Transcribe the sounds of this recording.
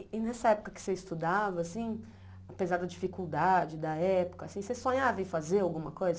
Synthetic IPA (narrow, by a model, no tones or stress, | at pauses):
ɪnɛsɐɛpʊ̥kɐkɪ̥seist̪ud̪avɐːsĩ | apezaɾd̪ɐd͡ʒifikuwd̪ad͡ʒɪd̪ɐɛpʊ̥kɐasĩsesõɲavɐɪfazeɾawɡũmɐkojzɐ